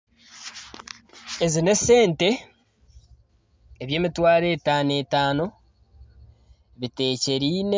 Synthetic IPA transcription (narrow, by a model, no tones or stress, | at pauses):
ezine̞se̞ːnte̞ | βje̞ːmitwaːɾe̞ːtaːne̞ːtaːno̞ | βite̞ːce̞ɾiːne